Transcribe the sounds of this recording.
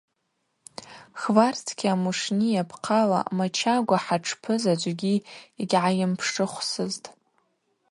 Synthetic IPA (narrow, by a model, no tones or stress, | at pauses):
χvartʰkʲiamuʂnijapʰqʰala̰mat͡ʃʰaɡʷaħaʈ͡ʂʰpʰɨzad͡ʒʷɡʲiiɡʲʕajɪmpʰʂʈ͡ʂʼɨχʷsɨztʼ